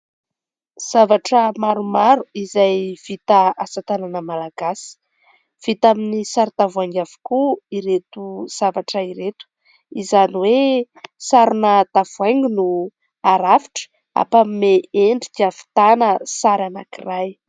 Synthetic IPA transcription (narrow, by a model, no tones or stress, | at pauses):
z̥avaʈ͡ʂəmaɾumaɾuizajv̥it̪aasat̪ananəmalaɡ̥asi̥ | v̥it̪aminisaɾt̪avuaŋɡavu̥kuiɾet̪uz̥avaʈ͡ʂəiɾet̪u̥ | izaniwe | saɾunət̪av̥uajŋɡunu | aɾafi̥ʈ͡ʂə̥ | a̰pamimeeɳɖ͡ʐik̪iafi̥t̪anəsaɾanakiraj